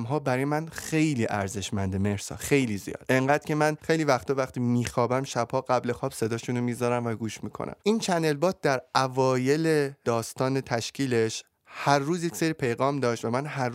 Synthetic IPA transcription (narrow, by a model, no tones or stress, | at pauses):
mɦɒːbæɾɒjemænxe̞jliːʔæɾze̞ʃmænd̪eme̞hsɒ̰ːxe̞jliːzijɒ̰ːd̪̥ʔe̞ŋɢæːd̪̥̚cʰe̞mænxe̞jliːvæxt̪ʰɒːvæxt̪iːmiːxɒːbæmʃæbhɒːɡæble̞xɒːb̥se̞d̪ɒːʃuːnomiːzɒɾæmvæɡuːʃmiːkʰo̰nʔæ̰mʔiːnt͡ʃʰænd̪e̞lbɒːt̪̚d̪æɾævɒːje̞le̞d̪ɒːst̪ɒːne̞t̪ʰæʃcʰiːle̞ʃ | hæɾːuːzjecʲse̞ɾiːpʰe̞jɣɒːmd̪ɒːʃt̪væmænɦæ